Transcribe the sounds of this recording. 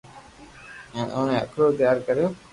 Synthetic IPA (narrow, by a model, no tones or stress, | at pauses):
ɛ̃nʔoːnẽːə̰kʰɾoːt̪ɪjaːɾkəɾɪjoː